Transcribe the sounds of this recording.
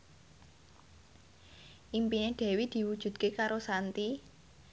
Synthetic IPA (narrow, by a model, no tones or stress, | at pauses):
ʔimpineɖ̪̥ɛ̤wid̪̥i̤wud̥ʒ̥ṳd̪̚kekaɾosant̪i